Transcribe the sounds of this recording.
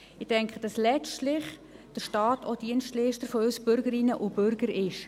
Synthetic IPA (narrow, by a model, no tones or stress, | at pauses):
ɪtɛŋkʰχəd̥ɑslɛt͡ʃtlɪχ | d̥əɾʃtɑːtʰod̥iənstliːʃtəɾfɔøsb̥ʏɾɡəɾɪnəʔub̥ʏɾɡ̥əɾɪʃ